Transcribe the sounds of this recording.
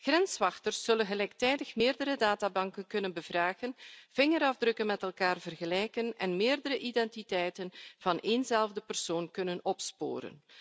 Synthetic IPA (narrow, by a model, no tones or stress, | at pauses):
ɣrɛnsʋɑxtərsːɵlənɣəlɛjk̚tɛjdəxmɪːrdəɾədaːtaːbɑŋkənkɵnənbəvraːɣənv̥ɪŋəɾɑvdrɵkənmɛtɛlˠkaːrvərɣəlɛjkənɛnmɪːrdəɾəʔidɛntitɛjtənv̥ɑnʔeːnzɛlˠvdəpərsoːnkɵnənɔpspo̰ːɾə̰n